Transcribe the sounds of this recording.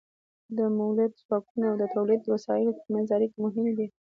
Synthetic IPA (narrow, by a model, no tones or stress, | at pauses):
d̪əmawlad̪zwɑkunoawd̪ət̪awlid̪̚ːəwasɑɪlokmazɑɾikmʊɦɪmd̪i